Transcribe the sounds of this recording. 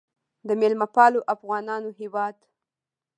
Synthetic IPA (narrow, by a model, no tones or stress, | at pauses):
d̪əmelmapɑloʔafɣɑnɑnoɦewɑd̪